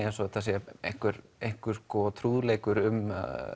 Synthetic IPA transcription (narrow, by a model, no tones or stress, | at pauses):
ɛnsɔt̪ʰas̬ɛejhŋ̥kʏɾejŋ̥kʏɾ̥skɔt̪ʰɾuːðleːjkʏɾʏm̰